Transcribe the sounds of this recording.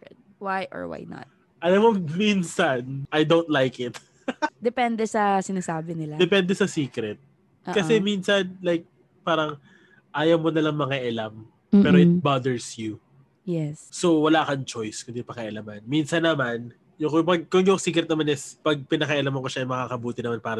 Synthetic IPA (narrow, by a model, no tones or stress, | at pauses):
ɛt̪̚wajʔɔ̰ɹwa̰jnɐ̰t̪̚ | ʔɐlɐmominsɐnʔɐjd̪ownt̪̚lajkɪt̪̚ | d̪ɛpɛnd̪ɛsɐsɪnaːsaːbɪnɪlad̪ɛpɛnd̪ɛsɐsiːkɾɛt̪̚ | ʔkɐɛminsɐnlajk̚ | paːɾɐŋ | ʔaːjɐwmonɐlɐŋmɐŋaʔɐlam | pɛːɾoɪt̪̚bad̪ɛɹsju | jɛsso̞wɐlaʔkɐŋt͡ʃojskʊnd̪ipɐŋɐʔɐlamɐnminsɐnːɐman | jʊŋkopɐɡ̚koŋjoŋsiːkɾɛt̪nɐmanɪspɐɡ̚pɪnɐkɐʔɐlamɐŋkoʃaɐŋmɐkaːkɐbuːt̪ɪnɐmanpaːɾɐ